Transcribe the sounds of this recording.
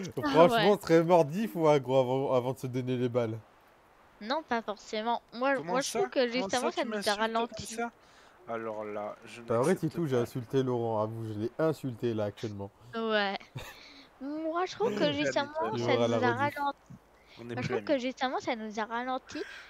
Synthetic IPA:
fχɑ̃wʃɛmɑ̃səχɛmɔʁd̪ifuaɡʁoavɑ̃avɑ̃d̪əsəd̪ɔnelebal | nɔ̃pafɔʁsemɑ̃mwaʒmwaʒət̪ʁuvkəʒyst̪əmɑ̃sanuzaʁalɑ̃t̪ʰi | alɔʁlaʒbaʁɛt̪et̪uʒeɛ̃sylt̪elɔʁɑ̃avuʒəlɛɛ̃sylt̪elaːk̚t̪ɥɛlmɑ̃wɛ | mwaʒət̪χuvkəʒyst̪əmɑ̃sanʁalzaʁalɑ̃t̪ | waəʁukəʒyst̪əmɑ̃sanuzaʁalɑ̃t̪ʰi

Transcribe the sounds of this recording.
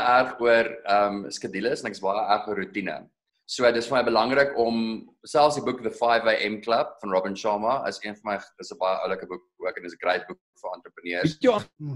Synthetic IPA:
ærχuərəmskədiləsɛnɛkəsbɑjəʔærχəɾutinə̰ | suədətsfəmɐjbəlɐŋrəkɔm | sælˠfsdibukðəfɑjveʔɛmkləp̚fɐnrɔbənʃɑːmɐə̰siənfɔnmɛjəsəbɑjəʔə̰wləkəbuk̚uəkɛnəsəɡrɛjt̚buk̚fəɐnt̪rəpəniərsjə

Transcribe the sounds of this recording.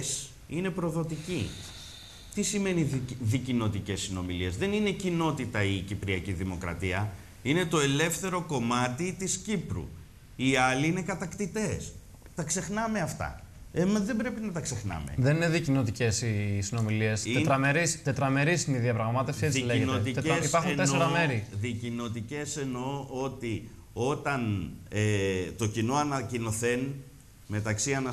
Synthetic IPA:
s | ine̞pɾo̞ðo̞t̪ici | t̪isime̞niðicino̞t̪icesːino̞miliezðe̞nine̞cino̞t̪it̪ɐicipɾiɐciðimo̞kɾɐ̰t̪iɐ | ine̞t̪o̞e̞le̞fθe̞ɾo̞ko̞mɐt̪it̪iscipɾṵ | iɐliine̞kɐt̪ɐkt̪it̪e̞s | t̪ɐkse̞xnɐme̞ɐft̪ɐ̰emɐðe̞bɾe̞pinɐt̪ɐkse̞xnɐ̰mḛðe̞nineðicino̞t̪ice̞sisino̞milie̞st̪et̪ɾɐme̞ɾist̪e̞t̪ɾɐme̞ɾisiniðiɐpɾɐɣmɐt̪efsiet͡sileʝenoet̪it̪eispɐɾxuneeɾɐme̞ɾiðicino̞t̪ice̞se̞no̞o̞t̪i | o̞t̪ɐnet̪o̞cino̞ɐnɐcino̞θe̞n | me̞t̪ɐksiɐnɐ

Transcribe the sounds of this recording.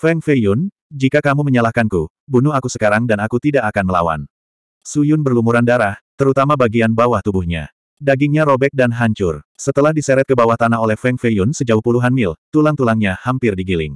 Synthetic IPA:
fɛŋfejʊn | d͡ʒikakamuməɲalahkanku | bunuhakusəkaɾaŋdanakut̪idaʔakanməla̰wa̰n | sujʊnbərlumuɾandaɾaht̪əɾut̪amabaɡianbawaht̪ubuhɲa̰ | daɡɪŋɲaɾobɛk̚danɦaɲt͡ʃʊrsət̪əlahdisɛɾɛt̪̚kəbawaht̪anaɦolɛhfɛŋfejʊnsəd͡ʒauhpuluɦanmɪlt̪ulaŋt̪ulaŋɲahampɪrdiɡilɪ̰ŋ

